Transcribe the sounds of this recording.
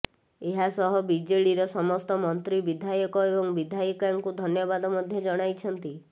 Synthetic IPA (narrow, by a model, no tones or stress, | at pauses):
eɦasɔɦɔbid͡ʒeɭiɾɔsɔmɔst̪ɔmɔnt̪ɾibid̪ʱajɔkɔebɔŋbid̪ʱajɔkaŋkud̪ʱɔnjɔbad̪ɔmɔd̪ʱjɔd͡ʒɔɽ̃ajt͡ʃʰɔnt̪i